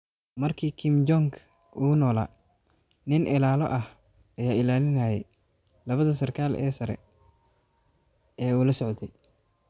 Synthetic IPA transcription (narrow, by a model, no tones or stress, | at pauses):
mɐrkʰiːkʰɪmd͡ʒɔŋkʰ | uːnɔːla̰ː | nɪnʔɪlaːlɔ̰ʔɐh | ɐjaːɪlaːlɪnaːjɛj | lɐβɐðɐsɐrkʰaːlʔɛ̰ːsɐɾɛ̰ | ɛːuːlɐsɔʕt̪ʰɛj